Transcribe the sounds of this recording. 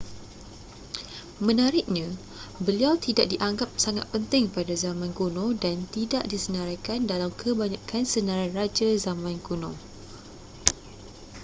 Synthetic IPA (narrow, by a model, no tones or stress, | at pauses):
mə̃naɾɪk̚ɲã | bəliawt̪idaʔ̚diʔaŋɡap̚saŋa̰t̪̚pənt̪ɪŋpadazamãnkunõdant̪idaʔdisənãɾakandalamkʰəbaɲãkansənãɾarad͡ʒazamãnkunõ